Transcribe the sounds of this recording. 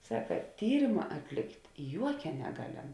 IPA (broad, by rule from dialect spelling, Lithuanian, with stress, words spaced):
ˈsɑːkɐ ˈtʲiːrʲɪmɐ ɐtʲˈlʲɪktʲ ˈjuɔkʲɛ nʲɛˈɡɑːˌlʲɛm